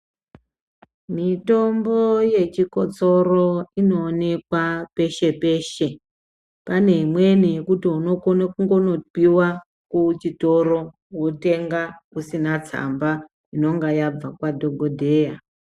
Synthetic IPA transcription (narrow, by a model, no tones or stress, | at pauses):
mito̞mboje̞t͡ʃiko̞t͡so̞ro̞ino̞ːne̞kwape̞ʃe̞pe̞ːʃe̞ | pane̞ɦimwe̞nijekutiuno̞konekuŋɡo̞no̞iwa | kut͡ʃito̞ɾo̞ | wote̞ŋɡakusinat͡sa̰mba | ino̞ŋɡajab͡vakwadʱoɡʱodʱe̞ːja